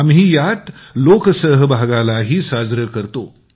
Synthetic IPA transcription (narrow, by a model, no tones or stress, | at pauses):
amɦiːjat̪loːksəɦbʱaɡalaɦiːsaːd͡zɾəkəɾt̪o